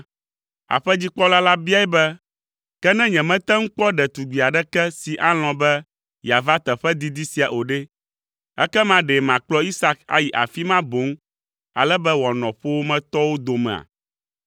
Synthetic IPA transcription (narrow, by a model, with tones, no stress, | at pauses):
a̰˨ɸɛ˦d͡ʑi˦k͡pɔ˦la˦la˦bi˦a˦ɛ˦bɛ˦ | kɛ˦nɛ̃˦ɲɛ̃˨mɛ̃˦t̪ɛ˦ŋ̩˦k͡pɔ˦ɖɛ˨t̪u˨ɡ͡bi˨a˨ɖɛ˦kɛ˦si˨ʔa˦l̃ɔ̃˨bɛ˦ | ja˨va˦t̪ɛ˨ɸɛ˦d̪i˦d̪i˦si˨a˨ʔo˨ɖɛ˦ | ɛ̰˦kɛ˦mã˦ɖɛ˨mã˨k͡plɔ˦i˦sa˦ka̰˨ji˨ʔa̰˨fi˦mã˦bo˨˦ŋ | a̰˨lɛ˦bɛ˦wɔ˨nɔ̃˨ɸo˦wo˦mɛ̃˦t̪ɔ˦wo˦d̪o˨mɛ̰̃˨a̰˨